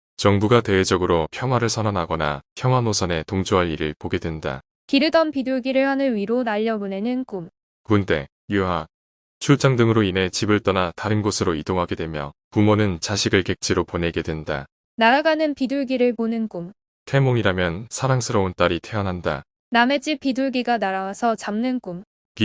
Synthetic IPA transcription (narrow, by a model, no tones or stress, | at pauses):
t͡ɕʌŋbuɡate̞wed͡ʑʌɡɯɾopʰjʌŋɦwaɾɯɭsʰʌnanɦaɡʌna̰pʰjʌŋɦwanosʰʌne̞toŋd͡ʑoɦaɭiɾɯɭpoɡe̞dwe̞nda̰ | kiɾɯdʌnpiduɭɡiɾɯɭhanɯnɥiɾonaʎːʌmune̞nɯnk͈um | kunt͈e̞ | juɦa | t͡ɕʰuɭt͡ɕ͈ʰaŋdɯŋɯɾoine̞t͡ɕibɯɭt͈ʌnataɾɯnɡosʰɯɾoidoŋɦaɡe̞dwe̞mjʌ̰kumonɯnt͡ɕaɕʰiɡɯɭke̞k̚t͡ɕʰiɾopone̞ɡe̞dwe̞nda̰ | naɾaɡanɯnpiduɭɡiɾɯɭponɯnk͈um | tʰe̞moŋiɾamjʌnsʰaɾaŋsʰɯɾʌunt͈aɾitʰe̞ʌnɦanda̰ | name̞d͡ʑip͈ːiduɭɡiɡanaɾawasʰʌt͡ɕamnɯnk͈um | ki